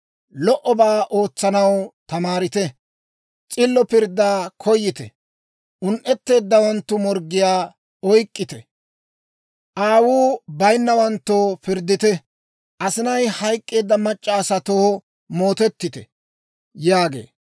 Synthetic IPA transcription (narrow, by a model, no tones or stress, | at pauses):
lɔʔɔbaːʔo̞ːt͡sːɐnɐwt̪ɐmaːɾɪt̪ɛ | t͡sʼɪlːɔpɪɾd̪ːaːkʰɔjːɪt̪ɛ̰ | ʊnʔɛt̪ːe̞ːd̪ːɐwɐnt̪ːʊmɔɾɡɪjaː | ɔjkʼːɪt̪ɛ | ʔaːwuːbɐjnːɐwɐnt̪ːopɪɾd̪ːɪt̪ɛ | ʔɐsɪnɐjhɐjkʼːe̞ːd̪ːɐmɐt͡ʃʼːaːsɐt̪oh | mo̞ːt̪ɛt̪ːɪt̪ɛ̰ | jaːɡḛː